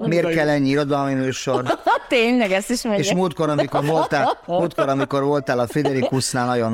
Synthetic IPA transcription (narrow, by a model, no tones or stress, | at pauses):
meːrt̪kɛlːɛɲːiiɾod̪ɒlminøːʃort̪eːɲlɛɡɛst̪iʃmɛeːʃmuːlt̪̚ko̞ɾɒmikorvoltt̪amuːlt̪koɾɒmiko̞rvo̞lt̪aːlɒfid̪ɛɾikusnaːlnɒjon